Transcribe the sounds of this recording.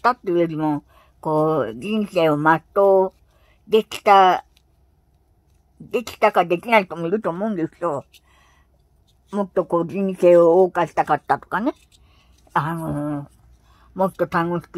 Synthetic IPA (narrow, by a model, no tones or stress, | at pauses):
t̪at̪ueɾimõ | koɾinɬeomat̪o | d̪ekt̪a | d̪ekɬt̪akad̪ekinalt̪omulut̪omoŋɡiɬo | mot̪okoɾinɬeokaɬt̪akat̪at̪u̥kane | ahaŋo | mot̪ot̪ʰaŋuɬt